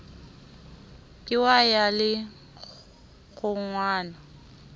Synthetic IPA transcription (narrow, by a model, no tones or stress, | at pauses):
kʼɪwajalɪ | ɣʊŋ̩ŋwaːna